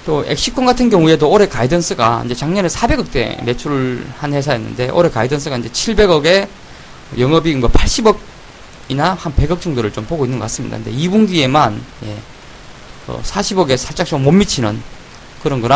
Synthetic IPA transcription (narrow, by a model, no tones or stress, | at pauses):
t͈oe̞̰k̚ɕ͈ik͈ʰoŋɡatʰɯnɡjʌŋue̞doːɾe̞kaidʌns͈ʰɯɡaḭnd͡ʑe̞t͡ɕaŋɲʌnesʰabe̞ɡʌk̚t͈e̞̰me̞t͡ɕʰuɭhanhe̞s̬ʰaenːɯ̰nde̞ʔʌɾe̞kaidʌnsʰɯɡaind͡ʑe̞t͡ɕʰiɭbe̞ɡʌɡe̞ | jʌŋʌbiɯnɡʌpʰaɭɕ͈ibʌɡ̚ | inahanpe̞ɡʌk̚t͡ɕʌŋdoɾɯɭt͡ɕompoɡoinːɯnɡʌk͈as͈ɯmɲida̰nde̞̰ibuŋɡie̞manje̞̰ | kʌ̰sʰaɕʰibʌɡe̞sʰaɭt͡ɕ͈ak̚ɕ͈ʰʌmomːit͡ɕʰinɯn | kɯɾʌnɡɯɾa